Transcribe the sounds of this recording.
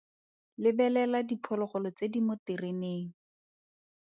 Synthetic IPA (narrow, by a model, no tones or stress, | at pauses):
lɪbɛlɛladipʰɔlɔχɔlɔt͡sedimʊtɪreneːŋ̩